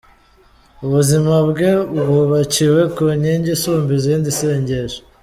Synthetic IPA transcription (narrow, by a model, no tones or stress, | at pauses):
uβuzimabɡe̞uβuβaciwe̞kuɲeɲɟisuːmbizindiseːɲɟe̞ʒe